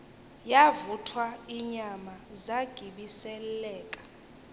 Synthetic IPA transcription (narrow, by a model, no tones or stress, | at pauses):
javutʰwaiɲamazaɡ̥ʱiɓisɛlɛːkʼḁ